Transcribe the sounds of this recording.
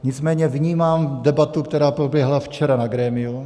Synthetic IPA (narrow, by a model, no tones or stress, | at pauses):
ɲɪt͡smɛːɲɛvɲiːmaːmdɛbat̪ukt̪ɛɾaːpɾobjɛɦlaft͡ʃɛɾanaɡɾɛːmɪu